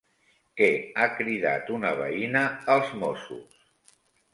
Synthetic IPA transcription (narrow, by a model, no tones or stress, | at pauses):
kɛakɾiða̰t̪unəβ̞ə̰inəːlˠzmosṵs